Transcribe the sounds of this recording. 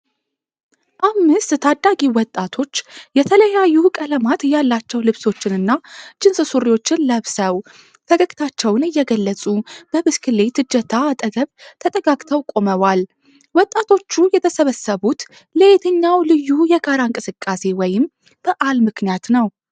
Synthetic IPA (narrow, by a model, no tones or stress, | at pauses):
ʔamːɨst̪t̪ʰad̪ːaɡiwɔt̪ʼːat̪ʰo̞t͡ʃːjɛt̪ʰələjajːukʼələmat̪jalːat͡ʃːɛwlɨβso̞t͡ʃːɪnɨnːat͡ʃɪnsɨsuɾiwo̞t͡ʃːɪnləβsəw | fʰəɡəkʼt̪ʰat͡ʃːɛwnɨjːɛɡəlːət͡sʼub̥əbɨskʰɨle̞t̪ʰɨd͡ʒːət̪ʰat̪ʼəɡəβt̪ʰət̪ʼəɡaɡʼt̪ʰəwkʼo̞məβal | wɔt̪ʼːat̪ʰo̞t͡ʃːujɛt̪ʰəsəβəsːəβut̪ | ləet̪ʰɨɲːawlɨjːujɛɡaɾaɨŋkʼɨsɨkʼːase̞wɔjɪm | b̥əʔalmɨknijat̪nəw